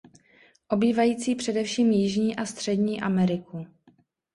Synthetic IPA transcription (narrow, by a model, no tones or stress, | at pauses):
ʔo̞biːvajiːt͡siːpr̝̥ɛdɛfʃiːmjɪʒɲiːʔast̪r̝̥ɛdɲiːʔamɛɾɪku